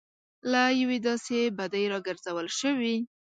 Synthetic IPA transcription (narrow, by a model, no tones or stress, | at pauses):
lajawed̪ɑsebad̪əjɾɑɡəɾzawəlʃəwi